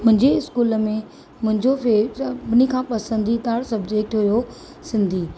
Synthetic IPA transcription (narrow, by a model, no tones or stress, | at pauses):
mʊ̃ɦɪ̃ɲd͡ʑeɪskuːləmẽ | mʊ̃ɦɪ̃ɲd͡ʑofebɪnikʰãːpɐsə̃nd̪ʱit̪aːɽsɐbd͡ʑeːk̚ʈɦujo | sɪ̃nd̪ʱiː